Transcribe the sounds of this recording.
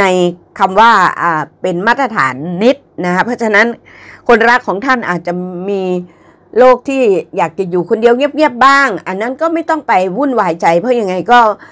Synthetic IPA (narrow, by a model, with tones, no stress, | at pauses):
na˧jkʰa˧mwaː˥˩ʔaː˨˩pe˨nmaː˥˩t̪̚ːɾa˧t̪ʰa̰ː˩˦nːi˦˥t̪̚na˦˥kʰa˦˥pʰɔ˦˥t͡ɕʰa˧na˦˥n | kʰo˧nɾa˦˥kʰːɔː˩˦ŋt̪ʰa˥˩nʔaː˨˩t̪̚t͡ɕa˨˩miː˧ | loː˥˩k̚t̪ʰiː˥˩jaː˨˩k̚t͡ɕa˨˩juː˨˩kʰo˧ndi˧əwŋi˥˩p̚ŋi˥˩əp̚baː˥˩ŋʔa˧nːa˦˥˨nkɔː˥˩ma˥˩jt̪ɔ˥˩ŋpa˧jwu˥˩nwaː˨˩˦jt͡ɕa˧jpʰɔ˦˥ja˧ŋːa˧jkɔː˥˩